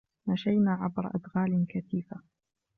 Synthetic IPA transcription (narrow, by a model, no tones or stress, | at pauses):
naʃajnaːʕa̰bɾ̰ˤʔa̰d̪ɣaːlɪkaθiːfa